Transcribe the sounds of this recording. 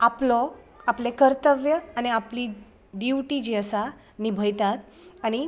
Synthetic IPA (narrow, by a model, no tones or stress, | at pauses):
aplɔ | aplekəɾt̪əʋjəañiapliː | ɖiʋʈid͡ʑiəsa | nibʱəjt̪at̪ | añi